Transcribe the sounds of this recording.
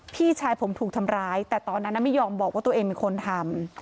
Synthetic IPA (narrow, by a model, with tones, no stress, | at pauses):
pʰiː˥˩t͡ɕʰaː˧jpʰo˩˦mt̪ʰuː˨˩k̚t̪ʰa˧mɾaː˦˥jt̪ɛː˨˩t̪ɔː˧nːa˦˥nːa˧˥ma˥˩jɔː˧mbɔː˨˩k̚waː˥˩˧eː˧ŋmiː˧kʰo˧nt̪ʰa˧m